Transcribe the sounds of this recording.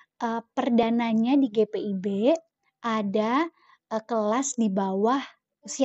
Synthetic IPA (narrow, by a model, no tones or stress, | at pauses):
ʔəpərdanaɲadiɡepeibe | ʔada | əkəlasdibawah | si